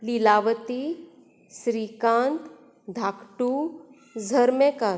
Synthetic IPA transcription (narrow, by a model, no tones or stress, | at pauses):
lilaʋət̪i | sɾikãnt̪ | d̪ʱakʈu | d͡zʱəɾmeka